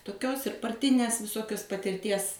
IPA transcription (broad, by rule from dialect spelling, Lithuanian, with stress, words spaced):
toːˈkʲoːs ɪr pɐrʲˈtʲɪnʲeːs ʋʲɪˈsoːkʲoːs pɐtʲɪrʲˈtʲiɛs